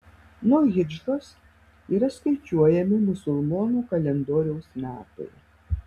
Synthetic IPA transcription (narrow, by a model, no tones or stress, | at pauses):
nuɔɣʲɪd͡ʒɾoːs | iːɾɐskɐɪt͡ʃʲuɔjɛmʲɪmʊsʊlˠmɔːnuːkɐlʲɛnd̪oːɾʲɛʊsmʲæːt̪ɐ̰ɪ